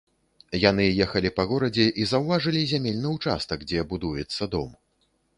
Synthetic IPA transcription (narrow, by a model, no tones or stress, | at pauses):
jan̪ɨjɛxɐlʲipɐɣɔɾɐd͡zʲɛʔizɐwvaʐɨlʲizʲamʲelʲnɨwt͡ʂa̰st̪ɐɡd͡zʲɛbud̪ujɛt̪sːɐd̪ɔ̰m